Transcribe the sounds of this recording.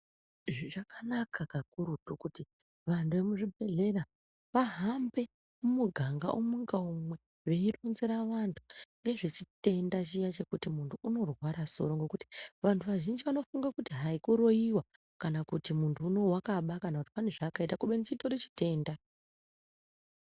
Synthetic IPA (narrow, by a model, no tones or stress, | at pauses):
ʐiʐakanakʰakakuɾutokuti | ʋantuʋe̞muʐibʱe̞ɮe̞ra | ʋaɦambe̞ | umuɡʱaŋɡa̰ʔomuŋɡaumwe̞ | ʋe̞ironzeɾaʋantʰu̥ŋɡe̞ʐe̞t͡ʃite̞ndat͡ʃijat͡ʃe̞kutimuntʰuːno̞rwaɾaso̞̰ɾoŋɡe̞kuti̥ʋantʰuʋaʒind͡ʒiʋano̞fuŋɡakutiɦaikuɾo̞iwa | kanakutimuntʰuːno̞wakaɓakanakuti̥pane̞ʐakaitakuɓenit͡ʃito̞ɾit͡ʃi̥te̞ːnda